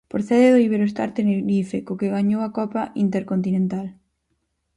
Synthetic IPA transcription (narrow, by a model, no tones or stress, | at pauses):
pɾoθɛðɪðoiβeɾoest̪a̰ɾt̪eneɾifekokeɣaɲowakɔpaʔint̪eɾkont̪inẽnt̪al